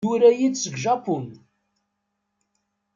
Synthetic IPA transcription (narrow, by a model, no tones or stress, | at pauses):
uɾæjid̪səɡʒapun